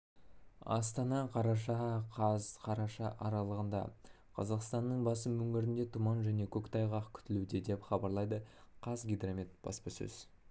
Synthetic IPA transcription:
ɑ̰st̪ɑnɑqʰɑɾɑʃɑqʰɑzqʰɑɾɑʃɑʔɑɾɑlˠəʁənd̪ɑ̰ | qʰɑ̰zɑqst̪ɑnːəɴbɑsəmːɵŋɡʲɪɾɪnd̪e̞t̪ʰumɑnʒæne̞kʲʰɵkʲt̪ʰɑjʁɑqkʲʰʏ̥t̪ɪlud̪e̞d̪e̞pχɑbɑɾlˠɑjd̪əqʰɑzɡʲijd̪ramit̪b̥ɑ̰spəsɵ̰z̥

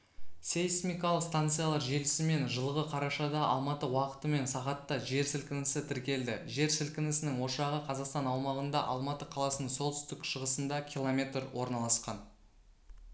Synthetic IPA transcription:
sejsmʲijkɑlˠəqst̪ant̪sɨjalˠɑɾʒe̞lɪsɪme̞nʒəlˠʁəqʰɑɾɑʃɑd̪ɑʔɑ̰lˠmɑt̪əwɑqə̥t̪əme̞nsɑʁɑt̪ːɑʒe̞ɾsɪlkʲɪnɪsɪt̪ʰɪɾkʲe̞ld̪ɪʒe̞ɾsɪlkʲɪnɪsɪnɪŋwo̞ʃɑʁəqʰɑzɑqst̪ɑnɑwmɑʁənd̪ɑʔɑ̰lˠmɑt̪əqʰɑlˠɑsənəɴsolˠt̪ʏ̥st̪ɪkʃəʁəsənd̪ɑkʲʰilˠomʲe̞t̪rwo̞̰ɾnɑlˠɑsqɑn

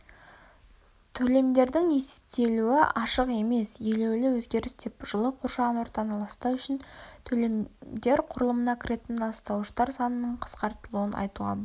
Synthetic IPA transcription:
t̪ʰɵle̞md̪e̞ɾd̪ɪŋe̞se̥p̚t̪e̞luɪʔɑʃəqe̞me̞sje̞lewlɪwɵzɡʲe̞ɾɪst̪e̞pʒ̥əlˠəqʰoɾʃɑʁənwo̞ɾt̪ɑnəlˠɑst̪ɑwʏʃɪnt̪ʰɵlemd̪e̞ɾqʰʊɾəlˠəmənɑkʲɪɾʔe̞t̪ɪnɑst̪ɑwʃt̪ɑɾsɑnənːəɴqʰə̥sqɑɾt̪əlˠuənʔɑ̰jt̪uʁɑ̰b

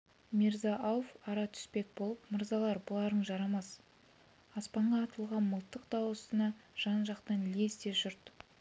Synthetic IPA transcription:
mʲeɾzɑʔawfɑɾɑt̪ʰʏ̥spe̞k̚bo̞lˠəpməɾzɑlˠɑɾbʊlˠɑɾəɴʒɑɾɑmɑs | ɑspɑɴʁɑːt̪əlˠʁɑnməlˠt̪ːəqd̪̥ɑwəsənɑʒ̥ɑnʒɑqt̪ɑnlesd̪e̞ʒʊɾt̪

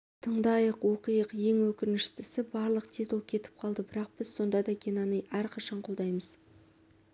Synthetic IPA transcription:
t̪ʰəɴd̪ɑjəqwoqijəqje̞ŋwɵkʲɪɾnɪʃt̪ɪsɪbɑɾlˠəqt̪ʰet̪okʲʰe̞t̪ɪ̥p̚qʰɑlˠd̪əbɪɾɑq̚b̥ɪz̥so̞nd̪ɑd̪ɑɡʲenɑnəjæɾqʰɑʃɑɴqʰold̪ɑjməz̥

